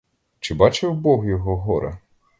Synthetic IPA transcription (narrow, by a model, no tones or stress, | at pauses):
t͡ʃɪbɑt͡ʃɪwbɔɦjɔɦɔɦɔɾɐ̰